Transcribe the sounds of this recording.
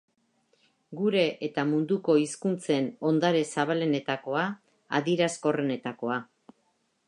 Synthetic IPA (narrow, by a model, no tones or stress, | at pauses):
ɡuɾe̞ʔet̪amund̪uko̞iskunt͡se̞no̞nd̪aɾe̞saβale̞ne̞t̪ako̞a | a̰ðiɾasko̞re̞ne̞t̪ako̞a